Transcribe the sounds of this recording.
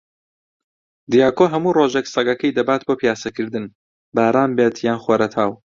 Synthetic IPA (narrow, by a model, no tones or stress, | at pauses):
d̪ijaːkoːɦɐmuːroːʒeksɐɡɐkɐjd̪ɐbaːt̪̚boːpijaːsɐkɨɾd̪ɨn | baːɾaːmbeːt̪ʰjaːnχweɾɐt̪ʰaːw